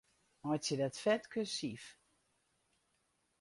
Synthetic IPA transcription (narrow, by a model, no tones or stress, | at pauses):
mɔjtsədatfɛtkʰøsif